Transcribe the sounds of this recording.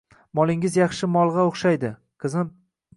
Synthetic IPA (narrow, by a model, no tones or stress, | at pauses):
mɒlˠɪŋɪzjɑχʃɪmɒlˠʁɑoχʃajd̪ɪ | qʰɨzɪm